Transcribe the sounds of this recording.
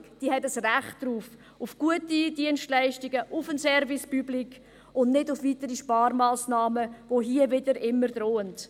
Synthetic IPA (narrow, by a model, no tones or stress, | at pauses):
d̥iːhɛtəsræχtd̥ɾuːf | ʊfɡ̥uətidiənstlæɪʃtiɡəʔʊfənsɛɾvispyblik | ʊnnɪdʊfvitəɾiʃpɑːɾmaːsnɑːməvoɦiəvɪdəɾɪmːəɾd̥ɾoːənt